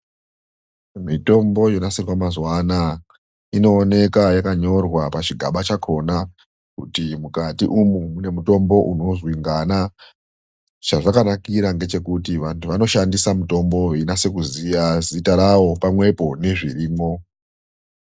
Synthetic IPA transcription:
mito̞mbo̞jonasirwamazwana | ino̞ːne̞kajakaɲo̞rwapat͡ʃiɡʱa̰ɓat͡ʃakʰo̞na | kutimukatiʔumumune̞muto̞mbo̞ʔuno̞zwiŋɡana | t͡ʃaʐakanakiɾaŋɡe̞t͡ʃe̞kutiʋantʰuʋano̞ʃandisamuto̞mbo̞ʋeinase̞kuzijazitaɾaʋo̞pamwe̞po̞ne̞ʐiriːmo̞

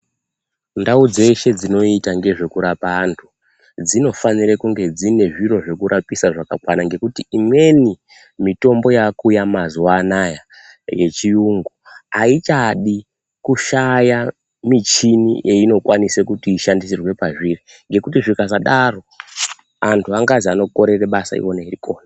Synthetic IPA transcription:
ndaud͡ze̞ʃe̞d͡zino̞itaŋɡe̞ʐe̞kuɾapaːntʰu̥ | d͡zino̞fanirekuŋɡe̞d͡zine̞ʐiro̞ʐe̞kuɾʔapisaʐaka̰kwanaŋɡe̞kutiimwe̞ni | mito̞mbo̞jakujamazuwanaja | je̞t͡ʃijuŋɡuait͡ʃaɗi | kuʃaja | mit͡ʃinḭʔe̞ino̞kwʔanisekutiːʃandisirwe̞paʐiri | ŋɡe̞kutiʐikazaɗaro̞ | antʰuaŋɡad͡ziano̞ko̞ɾe̞reɓasa̰ḭwo̞neiɾiko̞ːna

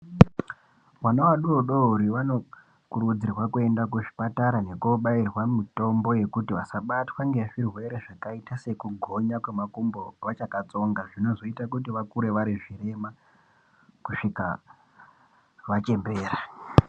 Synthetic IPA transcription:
wanawaɗuoɗouɾiʋano̞ | kuɾud͡zirwakue̞ndakuʐi̥pataɾane̞koɓairwamito̞mbo̞je̞kutiʋasaɓatwaŋɡeʐirwe̞ɾeʐakaitase̞kuɡʱo̞ɲakwe̞makumbo̞ʋat͡ʃakat͡so̞ŋɡaʐino̞zo̞itakut̬iʋakuɾe̞ʋaɾiʐiɾe̞ma | kuʂika̰ | ʋat͡ʃe̞mbe̞ːɾa

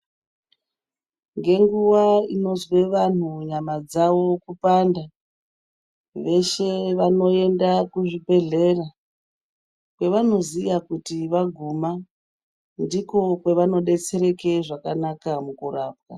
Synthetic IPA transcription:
ŋɡe̞ŋɡuʋaino̞zwe̞ʋan̤uɲamad͡zawo̞kupanda | ʋe̞ʃe̞ʋano̞e̞ndakuʐibʱe̞ɮe̞ra | kwe̞ʋano̞zijakutiʋaɡʱuma | ndiko̞kwe̞ʋano̞ɗe̞t͡se̞ɾe̞keʐakanakamukuraːp̚ka̰

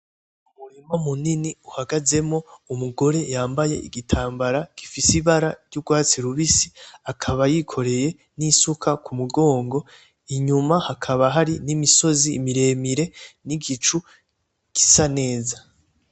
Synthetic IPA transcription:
umuɾemamuniniuhaɡaze̞mo̞umuɡo̞ɾe̞jaːmbajḛʔiɡitʰaːmbaɾaɡ̥ifisiβaɾaɾjɟuɡwaːt͡siɾuβisi̥akʰaβajikʰo̞ɾe̞je̞ | nisukʰakumuɡo̞ːŋɡo̞ | iɲumahakʰaβaɦaɾinimiso̞ziːmiɾe̞ːmiɾe̞niɡit͡ʃu | ɡ̥i̥sane̞ːza

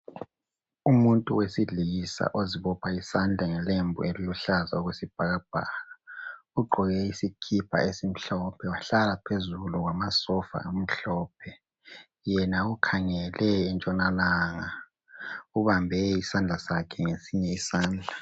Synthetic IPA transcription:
umuntʼuwesiɮisa̰ʔoziβɔpʰaisand͡ɮʱaŋɛlembʱṵeliluɬaza̰ɔɣwesib̥ʱaɣab̥ʱaːlauɡ͡ǃʱɔɣɛisikʰipʰa̰esim̩ɬɔpʰɛwaɬalapʰezuluɣwamasɔfa̰am̩ɬɔːp̚ʰɛ | jɛnaukʰaŋɛlɛːnt͡ʃʼɔnalaːŋa | uβambʱɛisand͡ɮʱasakʰɛŋesiɲɛisaːnd͡ɮʱa

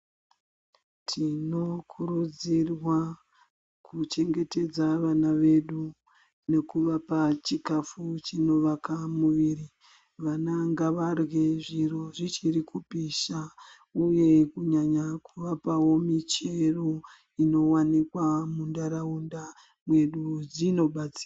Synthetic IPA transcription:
tʰino̞kʰuɾud͡zirwa | kʰut͡ʃe̞ŋɡe̞te̞d͡zaʋanaʋe̞ɗu | ne̞kuʋapat͡ʃikafut͡ʃino̞ʋakamuʋiri | ʋanaŋɡaʋarweʐiroʐit͡ʃirikupiʃa | uje̞kuɲaɲakuʋapawo̞mit͡ʃe̞ro̞ | ino̞wanikwamundaɾaunda | mwe̞ɗud͡zino̞ɓat͡si̥ːra

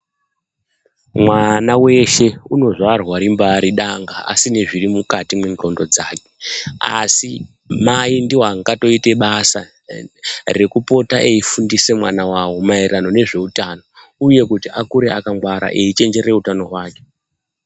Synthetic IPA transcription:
mwanawe̞ʃe̞uno̞ʐarwaɾimbaɾiɗaŋɡaa̰sineʐirimukatimweŋro̞ndo̞d͡zaːkea̰si | maindiwaŋɡato̞ite̞ɓasa̰ | re̞kupo̞taʔeifundise̞mwanawawo̞mairano̞ne̞ʐe̞utano̞ | uje̞kutiʔakuɾe̞akaŋɡwaɾa̰ʔeit͡ʃe̞nd͡ʒe̞ɾe̞utano̞ɦwaːke̞̥

